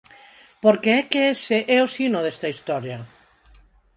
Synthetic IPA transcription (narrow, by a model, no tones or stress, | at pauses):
poɾkeɛkeeseʔɛosinoðɛst̪ɐist̪ɔɾjɐ